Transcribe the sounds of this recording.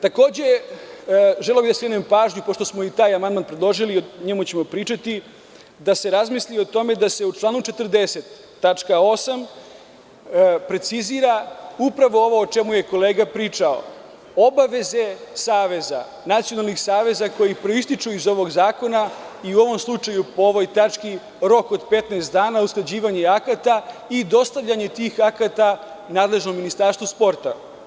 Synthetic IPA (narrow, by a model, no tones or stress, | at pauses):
t̪ako̞ːd͡ʑe̞ | ʒeleobid̪asɾenempaːʒɲupo̞ʃt̪o̞smo̞it̪aːjamand̪manpɾed̪lˠo̞ʒilioɲemut͡ɕe̞mo̞pɾiːt͡ʂat̪i | d̪ase̞ɾazmislio̞t̪o̞me̞d̪ase̞ut͡ʃlˠaːnut͡ʃe̞t̪əɾd̪e̞se̞t̪ː | at͡ʂkaosam | pɾe̞t̪siziɾaupɾaʋo̞o̞ʋo̞ːt͡ʃe̞muje̞ko̞leːɡapɾiːt͡ʂao̞̰ | o̞baʋe̞ze̞saːʋe̞za̰ | nat̪sijo̞nalˠnixsaːʋe̞zako̞jipɾo̞ist̪it͡ʃuizo̞ʋo̞ɡzaːko̞naiuo̞ʋo̞mslˠut͡ʃajupoo̞ʋo̞jt̪at͡ʃki | ɾo̞ko̞d̪pe̞t̪naːst̪d̪aːnausklˠad͡ʑiːʋaɲeakat̪aid̪o̞st̪aʋʎaɲe̞t̪iːxakat̪a | naːd̪le̞ʒno̞mːinist̪aɾst̪ʋuspo̞ɾt̪a̰